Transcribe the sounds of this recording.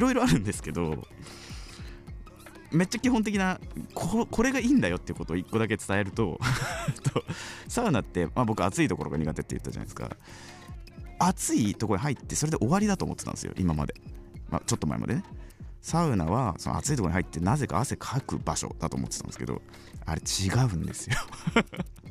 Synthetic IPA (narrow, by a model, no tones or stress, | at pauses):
iɾo̞iɾo̞aɾɯ̟̃nd̪e̞sɨ̥ke̞d̪o̞̰ | me̞t̚t͡ɕːakʲiɦont̪̬e̞kʲinakʰokʰo̞ɾe̞ɡaiːnd̪ajo̞t̪ːeiɯ̟ko̞t̪oːikːo̞d̪ake̞t͡sɨ̥t̪ae̞ɾɯ̟t̪o̞t̪osaɯ̟nat̪ːe̞mabo̞kɯat͡sɨit̪o̞ko̞ɾo̞ɡaɲ̟iɡat̪e̞t̪ːejɯ̟t̪ːad͡ʑa̰na̰esɨ̥ka̰ | at͡sɨit̪o̞koɲiɦait̪ːe̞soɾe̞d̪eʔo̞βaɾʲid̪at̪oːmo̞t̪ːe̥t̪ã̰nesɨjo̰ʔimama̰d̪e̞ma̰t͡ɕo̞t̪ːoma̰ḛma̰d̪enesaɯ̟naβason̰a̰t͡sɨit̪ooihait̪ːe̞naze̞ka̰ːse̞kʰakɯ̟̰baɕo̞̰d̪at̪oːmot̪ːe̥ãneɨ̥kḛo̰ | aɾe̞t͡ɕiɡaɯ̟̃nd̪e̞sɨjo